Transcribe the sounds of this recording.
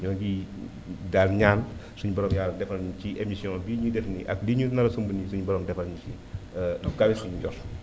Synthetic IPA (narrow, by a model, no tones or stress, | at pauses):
ɲɔnɡi | daːlɲaːnsuɲubɐɾɔmjaːlːɐdɛfɐlɲuciʔemisjɔ̃biɲudɛfniʔɐ̰kliɲunɐɾɐsumbunisuɲubɐɾɔmdɛfɐɲut͡ʃi | nɔɡabisuɲuɟɔs